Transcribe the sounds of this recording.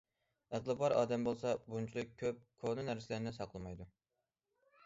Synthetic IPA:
əʁlɨbɑɾɑ̰ːd̪ɛmbolˠsɑbunt͡ʃʰilˠɨk̚ʲʰːøp̚kʰonɨnæɾsɪlæɾnɪsɑqʰlˠɨmɑjd̪u

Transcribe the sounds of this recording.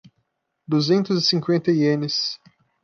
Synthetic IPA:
d̪uzẽnt̪ʊzɪsĩŋkwẽnt̪ɐiẽnɪs

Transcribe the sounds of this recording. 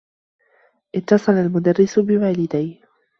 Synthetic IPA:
ʔɪt̪ːɑsˤɑlalmʊd̪arːɪsʊbɪwaːlɪd̪aj

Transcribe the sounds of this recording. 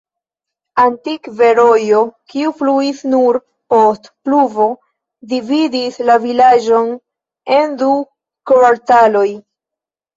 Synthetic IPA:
antikve̞ɾo̞jo̞kiufluisnuɾ | po̞stpluvo̞ | dividislavilad͡ʒo̞n | e̞ndu | kvaɾtalo̞j

